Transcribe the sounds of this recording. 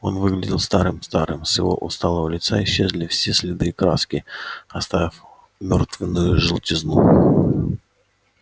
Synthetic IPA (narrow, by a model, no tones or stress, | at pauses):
o̞nvɨɡlʲɪdʲɪlˠst̪aɾɨmst̪aɾɨ̰msʲɪvo̞̰ʔʊst̪alˠəvəlʲɪt̪saɪɕːe̞zʲlʲɪfsʲesʲlʲɪd̪ɨːkɾaskʲɪɐst̪avʲɪf | mʲort̪vʲɪnːʊjʊʐɨlˠtʲɪznu